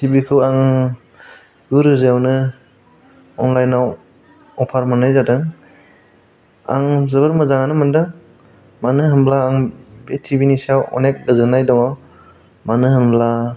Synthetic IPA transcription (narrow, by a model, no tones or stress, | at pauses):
sibikʰɯwaŋ | ɡuɾɯzawnɯ | ɔŋlajnaw | ɔpʰaɾmanajzadɯŋ | a̰ŋzɯbɯɾmɯzaŋanɯmɯndɯŋ | manɯɦɯmblaːŋbetʰibinisawɔ̰nek̚ɡazɯnajdɔŋaw | manɯɦɯmbla